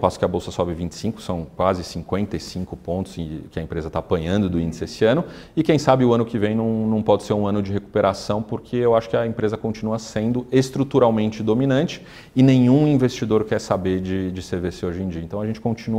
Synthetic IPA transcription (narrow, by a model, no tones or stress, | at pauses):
pasʊ̥kɪɐbowsɐsɔbɪvĩnt͡ʃɪ̥sĩŋkʊ̥sɐ̃w̃kwazɪsĩŋkwẽnt̪ɐjsĩŋkʊpõnt̪ʊ̥z̥̃kɪɐẽmpɾezɐt̪aːpɐ̃ɲɐ̃nd̪ʊd̪ʊĩnd͡ʒɪsɪesɪɐ̃nʊɪkẽj̃sabɪʊɐ̃nʊkɪvẽj̃nɐ̃w̃nɐ̃w̃pɔd͡ʒɪseɾũɐ̃nʊd͡ʒɪɦeku̥peɾasɐ̃w̃pʊɾkʰeewaʃʊ̥kɪɐẽpɾezɐkõnt͡ʃinuɐsẽnd̪ʊest̪ɾut̪uɾawmẽnt͡ʃɪd̪ominɐ̃nt͡ʃɪ̥ | ɪnẽɲ̃ũĩvest͡ʃid̪oɾkɛɾsabeɾd͡ʒɪd͡ʒɪseɾveɾsoʒẽd͡ʒiɐẽt̪ɐ̃w̃ɐʒẽnt͡ʃɪ̥kõt͡ʃinu